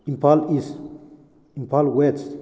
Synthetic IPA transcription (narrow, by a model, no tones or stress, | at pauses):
ĩmpʰalis | ĩmpʰalwes